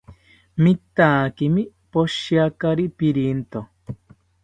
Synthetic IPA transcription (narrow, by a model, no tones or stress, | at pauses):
mit̪aːkimi | poʃiakaɾipiɾint̪o